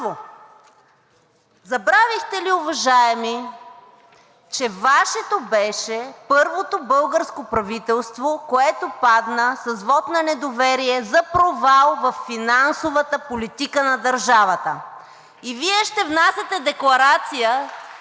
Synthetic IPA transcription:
o | zɐbɾavixt̪ɛliʊvɐʒaɛmi | t͡ʃɛvaʃɛt̪obɛʃɛpɤɾvot̪obɤlˠɡəɾskopɾɐvit̪ɛlˠst̪vokoɛt̪opad̪nəsɐzvɔt̪nɐnɛd̪ovɛɾiɛzɐpɾovalˠvɐfːinansovət̪əpolit̪ikənɐd̪ɐɾʒavɐt̪ə | iviɛʃt̪ɛvnasʲɐt̪ɛd̪ɛklˠɐɾat̪sijə

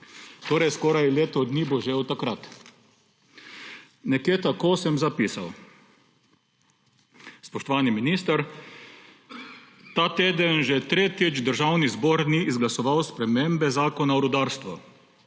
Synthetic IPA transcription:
t̪oːɾɛjskɔːɾajleːt̪ɔd̪niːbɔʒeːwt̪akɾat̪ | nɛkjeːt̪akoːsɛmzapiːsaw | spɔʃt̪ɔʋaːniminist̪aɾ | t̪aːt̪eːd̪ənʒɛt̪ɾeːt̪id͡ʒd̪əɾʒawnizbɔːɾniʔːzɡlasɔʋawspɾɛmembɛzaːkɔnaɔɾud̪aːɾst̪ʋɔ

